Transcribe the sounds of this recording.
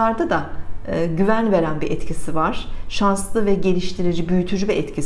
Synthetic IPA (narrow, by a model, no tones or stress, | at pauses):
aɾd̪ad̪aː | ɟyvænve̞ɾænbiʔɛt̪cʰisivaɾ̥ʃanslˠɯvɛɟe̞lʲiʃt̪ʰiɾid͡ʒibyjyt̪ʰyd͡ʒyvɛɛt̪cʰis